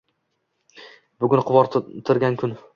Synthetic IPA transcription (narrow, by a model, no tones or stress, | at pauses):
bʊɡʲʊnqʰʊwɒɾt̪ʰɪɾɡʲankʰʲʊn